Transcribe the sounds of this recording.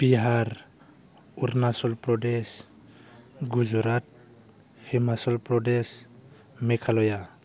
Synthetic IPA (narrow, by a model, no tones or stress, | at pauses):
b̥iɦaɾ | uɾnasɔlpɾɔdes | ɡud͡ʒɔɾat̚ | himasɔlpɾɔdɛs | mɛkʰalɔja